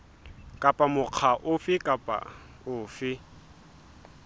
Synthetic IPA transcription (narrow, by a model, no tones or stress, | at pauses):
kʼapʼamʊq͡χʰaʔʊfɪkʼapʼa̰ | ʊːfɪ